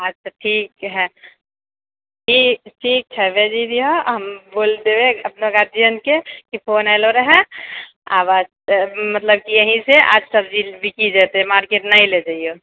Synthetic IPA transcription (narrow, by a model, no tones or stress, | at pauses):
at͡ʃʰaʈʰiːk̚ɦɛ | ʈʰiːk̚ʈʰiːk̚t͡ʃʰɛbed͡ʒid̪ioɦɐmboːlt̪eweɐp̚noɡaɾd͡ʒiənkekipʰoːnaːloɾəɦɛ | a̰ːbaːd͡ʒ | mɐt̪ləb̚kijɐɦĩseʔa̰ːd͡ʒsɐbd͡ʒibʱikid͡ʒaːt̪emaːɾkeːʈnaĩled͡ʒaio